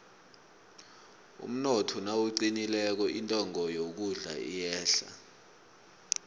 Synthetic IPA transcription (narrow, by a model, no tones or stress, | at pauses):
ṵm̩nɔtʰɔnawuǀinilɛk̬ɔʔintʼɔŋɔjok̬uɮa̰ḭjɛːɬa̰